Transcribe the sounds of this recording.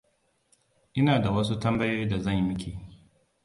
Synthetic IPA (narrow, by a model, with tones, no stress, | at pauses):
ʔɪ˦naː˨da˨wɐ˦s̬u˦tɐ˦mbɐ˦jo˦jiː˦da˨zɐ˦˨ɲjmɪ˦kʰʲeː˨